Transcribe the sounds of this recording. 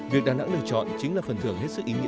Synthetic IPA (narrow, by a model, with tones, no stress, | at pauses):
vi˨ək̚ɗaː˨˩na̰˧˥ŋlɨ˧˨ət͡ɕɔ̰˧˨nt͡ɕï˨˦ŋ̟laː˨˩fə˨˩nt̪ʰɨ˧˩əŋɦe˦˥t̚sɨ˦˥k̚ʔi˨˦ŋḭ˧˥